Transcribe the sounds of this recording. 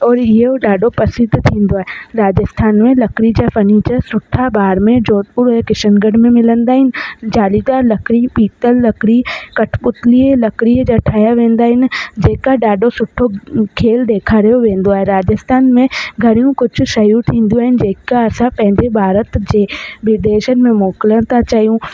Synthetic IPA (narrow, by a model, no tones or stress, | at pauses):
ɔːɾɪoɖaːɖopɐsɪd̪ʱt̪ʰĩːnd̪oaːɦeɾaːd͡ʒəst̪ʰaːnmẽlɐkɾid͡ʒafɐniːt͡ʃəɾsʊʈʰːabaːɾmẽd͡ʒoːt̪̚puɾɦɛkɪʃənɡəɽmẽmɪlə̃nd̪aːɦɪnɪ̆d͡ʒaːlid̪aːɾlɐkɾipiːt̪əlːɐkɽikɐʈʰpʊt̪lielɐkɾied͡ʒaʈʰaːjaʋẽːn̆d̪aːɦɪnd͡ʑeːkaɖaːɖosʊʈʰːokʰeːld̪eːkʰaɾɐjoʋẽːn̆d̪oaːɦeɾaːd͡ʒəst̪ʰaːnmẽɡʱɐɾijũkʊd͡ʒʱʰʊʃɐjũt̪ʰĩːn̆d̪ijũaːɦɪnɪ̆d͡ʑeːkaɐsãpɐ̃ɦɪ̃ɲd͡ʑebʱaːɾət̪d͡ʑeːʋɪd̪eːʃənmẽmoːklət̪at͡ʃaːɦijũː